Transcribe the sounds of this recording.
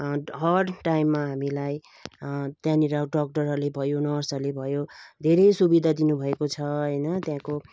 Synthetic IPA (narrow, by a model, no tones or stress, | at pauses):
ɦʌɖʈajmːaɦamilaj | t̪jãniɾʌɖʌk̚ʈʌrɦʌrlebʱʌjonʌrsʌrlebʱʌjod̪ʱeɾʌjsubid̪ʱad̪inubʱʌekot͡sʰʌɦʌjnʌt̪jãko